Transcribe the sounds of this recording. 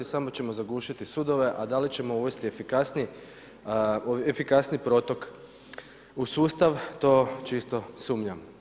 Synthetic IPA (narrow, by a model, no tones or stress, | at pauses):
isamo̞t͡ɕe̞mo̞zaɡuːʃit̪isud̪o̞ʋe̞ʔad̪alit͡ɕe̞mo̞uʋe̞st̪iefikasni | efikasnipɾo̞t̪o̞k | usuːst̪aʋt̪o̞t͡ʃist̪o̞suːmʎam